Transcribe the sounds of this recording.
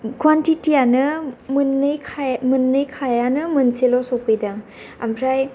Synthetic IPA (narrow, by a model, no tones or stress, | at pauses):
kwantitijanɯmɯnːɯjkʰmɯnːɯjkʰajanɯmɯnselɔsopɯjdaŋ | ampʰɾaj